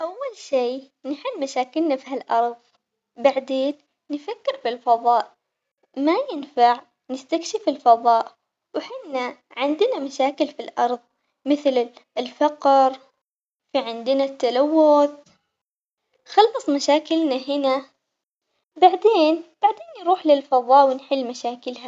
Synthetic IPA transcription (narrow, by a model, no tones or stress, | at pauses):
ʔawːalʃiː | nɪħɪlːmaʃaːkɪlnafiɦalʔɑɾˤðˤ | baʕd̪eːnː | fakːɪɾfilfɑðˤɑːʔ | majɪnfaʕ | nɪst̪akʃɪfɪlfɑðˤɑːʔ | wħɪnːaʕɪnd̪ɪnamaʃaːkɪlfilʔɑ̰ɾˤðˤ | mɪθlɪɪlfɑqɾ | fiʕɪnd̪ɪnat̪ːalawːʊθ | xɑlːɑsˤmaʃaːkɪlnaɦɪna | baʕd̪eːnb̥aʕd̪eːnjɾuːħlɪlfɑðˤɑːʔwɪnħɪlːmaʃaːkɪlha